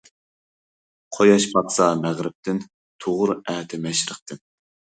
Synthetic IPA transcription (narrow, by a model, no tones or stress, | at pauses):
qʰojɑʃpɑt̪sɑmæʁɾɪp̚t̪ʰɪn | t̪ʰoʁʊɾæːt̪ʰɪmɛʃɾəχt̪ʰɨn